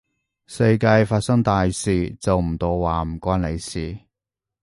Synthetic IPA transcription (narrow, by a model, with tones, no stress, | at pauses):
sɐ˧jkaː˧jfaː˧t̚sɐ˥ŋt̪aː˨jsiː˨t͡sɐ˨wm̩˨˩t̪o˧wwaː˨m̩˨˩kʷaː˥nle˨˧jsiː˨˩